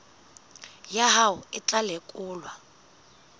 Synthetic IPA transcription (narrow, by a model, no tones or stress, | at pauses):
jaɦaʊɪt͡ɬʼalekʼʊːlwa